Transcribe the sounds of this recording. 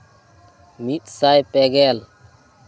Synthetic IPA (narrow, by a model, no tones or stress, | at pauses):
mit̪sajpɛɡɛl